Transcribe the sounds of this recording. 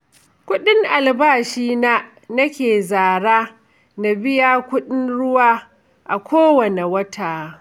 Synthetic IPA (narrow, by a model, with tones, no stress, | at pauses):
kʷʊ˦ɗɪ˦ŋʔa˨lbaː˦˨ʃiː˦na˦ | nɐ˦kʲeː˨zaː˨ɽaː˦ | na˨bɪ˦jaː˦kʷʊ˦ɗɪ˦nɽʊ˦waː˦ | ʔa˨kʷʰoː˦wɐ˨ne˨wɐ˦tʰaː˨